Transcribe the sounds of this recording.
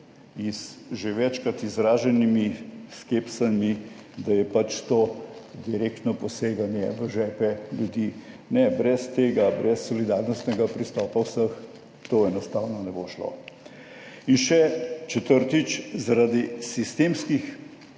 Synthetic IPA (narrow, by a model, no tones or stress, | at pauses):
izʒeʋɛt͡ʃkɾat̪izɾaːʒɛnimiskepsamid̪ajɛpat͡ʃt̪oːd̪iɾek̚t̪nɔpɔseːɡanjɛʋəʒɛːpɛljud̪jiː | nɛbɾɛst̪eːɡabɾɛsːɔlid̪aɾnɔst̪nɛɡapɾist̪ɔːpawsəx | t̪oɛnɔst̪awnɔnɛboʃlo̰ | inʃɛt͡ʃɛt̪əɾt̪it͡ʃzaɾad̪isist̪eːmskix